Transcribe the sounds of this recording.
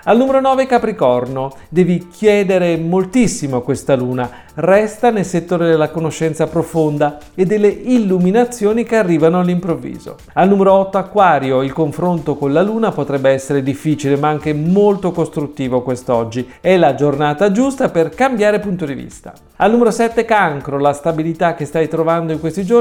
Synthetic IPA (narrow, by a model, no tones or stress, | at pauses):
alnuːmeɾonɔːvekapɾikɔrno | d̪ɛːvikʰjɛːd̪eɾemolt̪isːimokwest̪aluːna | rɛst̪anelset̪ːoːɾed̪elːakonoʃːɛnt̪sapɾofond̪a | ed̪ːelːeilːuminat̪sːjoːnikearːiːvanoalːimpɾovːḭːzo̰ | alnumeɾoɔt̪ːoakːwaːɾjoilkoɱfɾont̪okonlaluːnapot̪ɾɛbːeɛsːeɾed̪ifːiːt͡ʃilemaaŋk̟emolt̪okost̪ɾut̪ːiːvokwest̪ɔd͡ʒːi | ɛlad͡ʒornaːt̪ad͡ʒust̪aperkambjaːɾepunt̪od̪ivḭst̪a̰ | alnumeɾosɛt̪ːekaŋkɾolast̪abilit̪ak̟ːest̪ajt̪ɾovand̪oiŋkwest̪id͡ʒo